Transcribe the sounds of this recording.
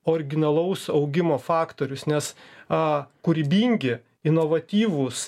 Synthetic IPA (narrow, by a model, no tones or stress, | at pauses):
oːɾʲɪɡʲɪnɐlˠɐʊsɐʊɡʲɪmoːfɑːkt̪oːɾʲʊsnʲɛs | kʊɾʲbʲiːŋʲɡʲɪ | ɪnoːʋɐt̪ʲiːʋʊs